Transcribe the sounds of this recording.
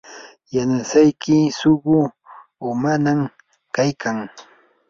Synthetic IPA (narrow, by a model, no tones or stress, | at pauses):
janasajkɪsʊɢʊː | manam | kajkʰaŋ